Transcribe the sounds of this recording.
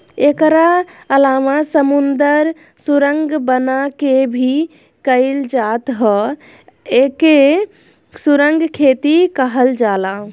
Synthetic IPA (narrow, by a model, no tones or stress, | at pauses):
ekɾaəlamasəmund̪əɾ | suɾəŋɡbənakebʱi | kəɪld͡ʒat̪ɦɔ | eke | suɾəŋɡkʰet̪ikəɦəld͡ʒala